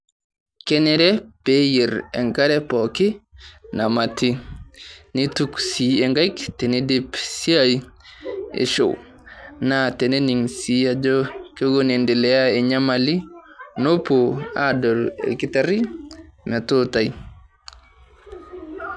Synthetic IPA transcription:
kɛ˦nɛ˦ɾɛ˦pe˦ji˨ɾɛ̰˨ŋka˦ɾɛ˦pɔki˦na˨ma˨ti˦ | ni˦tuksi˨e˨ŋɡa˦jkte˨ne˦di˦psi˦a˦j | ḛ˨ʃo̰˨w | nate˨ne˦ni˨ŋsi˦a˦d͡ʒo˦ke˦ɡo˦ne˨ndi˨lɛ˨ja˦e˨ɲa˦ma˨li˦no˦poa˦dɔ˨lḛ˨ki˦ta˦ɾi˦mɛ˨tuta˨j

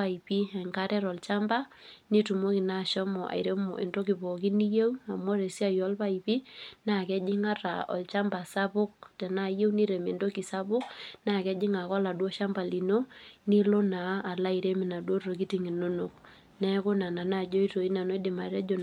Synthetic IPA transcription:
a˨i˨pi˦ɛ˨ŋka˦ɾɛ˦ɾɔ˨lt͡ʃa˦mba˦ni˦tu˨mo˦ki˨na˦˨ʃɔ˦mɔ˨ʔa̰˨iɾe˦mɔ˨ʔḛ˨ndo˦ki˨pɔ˨ki˦ni˦je˦wa˨mɔ˦ɾe˨si˦a˨jɔ˦lpa˦ipi˦na˨kɛ˦d͡ʒɪ˦ŋa˦ra̰˨ɔ̰˨lt͡ʃa˦mba˨sa˦pʊ˦k̚tɛ˨na˦˨je˦wni˦ɾe˨me˨ndo˦ki˨sa˦pʊ˦kna˦˨kɛ˦d͡ʒɪ˦ŋa˨kɔ˦la˨dwɔ˦ʃa˦mba˨li˨no˦ni˦lo˦naː˨˦˨la˦i˨ɾe˦mɪ˨na˨dwo˦rro˨ki˦ti˨ŋi˨no˦no˨k̚ | nɛ˦kʊ˦na˨na˨na˦˨d͡ʒɔ˦i˦to˨i˦na˨nɔ˦i˦dɪ˨ma˨ɾɛ˦d͡ʒo˨

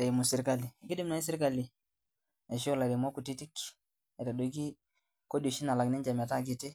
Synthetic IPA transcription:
e˨mu˨si˨ɾka˦li˨ɡi˦di˦mna˨i˦si˦ɾka˨li˨ | e˨ʃo˦la˨de˨mo˦ku˨ti˦ti˦k | e˨ta˨do˨˦ɡi˦ | ko˦do˨ʃi˦na˨la˨ɡni˦nd͡ʒa˨ma˨ta˦˨ɡi˦te˦

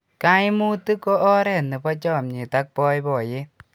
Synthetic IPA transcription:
ka˦jmu˦t̪ɨ˦kɔ˦ʔɔ˦ɾɛ˨nːe˨pɔ˦t͡ʃɔ˦˨mɲi˨ta˦k̚pɔ˧˦jbɔ˨je˦

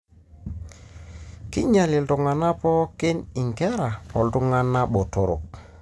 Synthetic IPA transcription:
kḭ˦ɲa˨li˨ltu˨ŋa˨na˦pɔ˦ke˦ni˨ŋkɛ˦ɾa˨ɔ˨ltu˦ŋa˦nːa˦ɓɔ˨to˨ɾo̰˨k̚

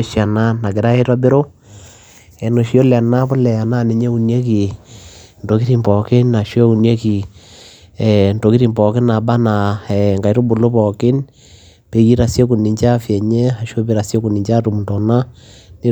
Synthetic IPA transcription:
ʃja˨na˦na˨ke˨ɾa˦e˦twa˦be˦ɾo˦ | ɛ˨no˨ʃjo˦la˨na˦po˦lɛ˨ja˨na˦ne˨ɲe˦u˨nje˦ki˨ | nto˨ki˦ɾi˨mpɔ˨kɪ˦na˨ʃjo˦u˨nje˦ki˨ | ɛ˨nto˨ki˦ɾi˨mpɔ˨kɪ˦na˨ba˦na˨ɛ˨ŋɡa˨i˨to˦bo˨lo˦pɔ˨kɪ˦n | pe˨ɣi˦ɾa˨sje˦ku˨ni˨ɲt͡ʃa˦fjɛ˨ɲɛ˦a˨ʃjo˦be˦ɾa˨sje˦ku˨ni˨ɲt͡ʃa˦to˨mu˨ntɔ˨na˦ne˦

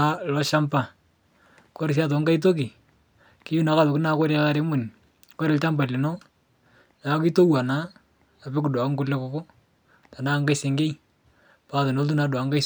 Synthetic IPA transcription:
a˦lɔ˦ʃa˦mpa˨ | ko˦ɾɪ˨s̬a˦t̬ɔ˨˦ŋɡa˦i˦t̬o˦ki˨ | kɪ˦ju˦na˨ka˦ðʊ˨kɪ˦naː˨ko˦ɾe˨ka˦ɾe˦mʊ˨n˨ | ko˦ɾɪ˨lt͡ʃa˦mba˨lɪ˨no˦ | na˨˦ki˦to˦wa˨naː˦˨ | bɪ˦k̬ʊ˨da˨ŋ˦ɡʊ˦le˦ko˦ko˦ | ta˨na˦ŋɡa˦jse˨ŋɡe˦j | pa˨˦˨tɔ˨no˦lt̬u˦na˨dwa˨˦ŋɡa˦

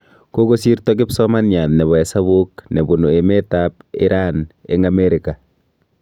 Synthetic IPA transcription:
ko˦ko˦si˦ɾtɔ˦ɡ̬ɪ˦psɔma˦nɲa˨nnɛ˨βɔ˨ɛ˨sa˦βo˦knɛ˨bu˨nu˨e˨me˦tap̚ḭ˦ɾʔanḛ˦ŋa˨me˦ɾika˨

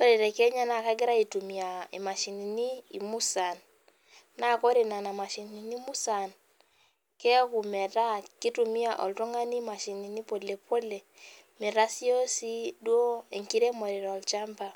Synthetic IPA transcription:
o˦ɾe˨ɾɛ˨kɛ˦ɲa˦na˨ka˦ɡɪ˦ɾa˦i˨tu˨mi˨a˨ḭ˨ma˨ʃi˨ni˨niː˦˨mu˦sa˨nː | a˦˨ko˦ɾe˨na˨na˨ma˨ʃi˨nni˨ni˦mu˦sa˨n | kɛ˦ku˨mɛ˨ɾa˦ki˦tu˨mi˦a˨ʔɔ̰˨ltwɔ˦ŋa˦ni˦ma˨ʃi˨ni˨ni˦po˨le˨pʰo˦le˨ | me˨ɾa˦si˦o˦si˦dwo˦e˨ŋki˦ɾe˦mo˨ɾe˨ɾɔ˨lt͡ʃa˦mba˨

